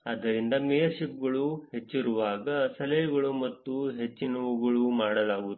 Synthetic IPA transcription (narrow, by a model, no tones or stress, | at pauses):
ɐd̪ɐɾind̪ɐmɛjɐɾʃip̚ɡɐɭuhe̞t͡ʃːiɾuʋaːɡɐsɐlɐjɐɡɐɭumɐt̪ːuɦe̞t͡ʃːinɐʋuɡɐɭumaːɽɐlaːɡut̪u